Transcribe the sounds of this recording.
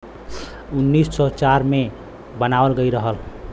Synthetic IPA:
unːissɔt͡ʃaɾme | bənaəlɡəjɾəɦəl

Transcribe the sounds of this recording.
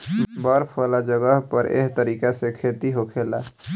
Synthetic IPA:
bəɾpʰəlad͡ʒəɡəɦpəɾḛɦt̪əɾikasekʰet̪iɦokʰela̰

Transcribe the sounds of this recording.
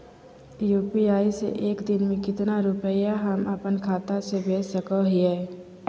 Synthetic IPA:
juːpiaːisḛʔeːkd̪ɪnmẽkɪt̪naɾʊpəjaɦəməpənkʰaːt̪asebeːsəkəɦiɛː

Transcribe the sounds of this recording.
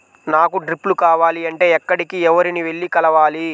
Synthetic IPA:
naːkuɖɾipːlukaːʋaːliɐɳʈe̞ːɛkːɐɽikiɛʋɐɾiniʋe̞ɭːikɐlɐʋaːli

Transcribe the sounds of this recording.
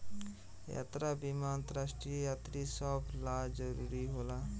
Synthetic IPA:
ja̰t̪ɾabimaənt̪əɾasʈɾijaːt̪ɾisəblad͡ʒəɾṵɾiɦoːla

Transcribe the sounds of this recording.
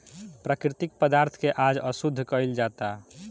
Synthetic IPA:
pɾakɾit̪ik̚pəd̪aɾt̪ʰkeʔad͡ʒəsud̪ʱːkəjld͡ʒat̪a

